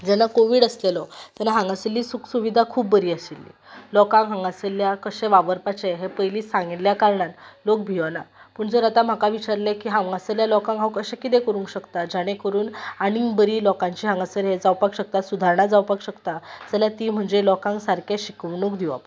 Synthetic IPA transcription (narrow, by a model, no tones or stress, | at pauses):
d͡ʑanakoʋiːɽəslelɔt̪anaɦãŋɡaselːiːsuksuʋid̪ʱakʰuːbːəɾiːəsilːḭlɔkãŋɦãŋɡaseljakəɕẽʋaʋəɾpat͡ɕeɦepəjliːsãŋɡiljakaɾɳanlok̚bʱiʋanapəɳd͡zəɾat̪am̤akaʋit͡ɕaɾlekiːɦãŋɡaseljalɔkãŋɡɦãwkəɕãkit̪̬ekəɾũŋkɕəkt̪ad͡ʑaɽ̃ekəɾuːnaɽ̃ibəɾiːlɔkãɲt͡ɕiːɦãŋɡasəɾɦed͡zawpakɕək̚t̪at̪sud̪ʱaɾɳad͡zawpakɕəkt̪aəsəljat̪iːm̤əɳd͡zelɔkãŋksaɾkʰaɕikəʋɳukd̪iʋa̰p